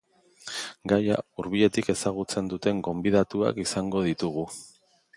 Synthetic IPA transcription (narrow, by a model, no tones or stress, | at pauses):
ɡaja̰uɾβ̞ie̞t̪ike̞saɣ̞ut͡se̞nd̪ut̪e̞ŋɡo̞mbið̞at̪ua̰kisaŋɡo̞ð̞it̪uɣ̞u